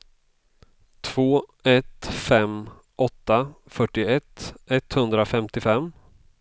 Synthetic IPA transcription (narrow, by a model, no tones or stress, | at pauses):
t̪ʰv̥oːɛt̪fɛm | ʔɔt̪ːafœʈːɪɛt̪ːɛt̪hɵnd̪ɾafɛmt̪ɪfɛmː